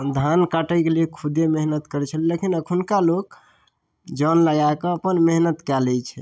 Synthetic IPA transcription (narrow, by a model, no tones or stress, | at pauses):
d̪ʱankaʈəjkeliekʰud̪emeɦnət̪kəɾɛt͡ʃʰəlilekinəkʰunkalok | d͡ʒənləɡakɔəpənmeɦnət̪kɛlɛt͡ʃʰɛ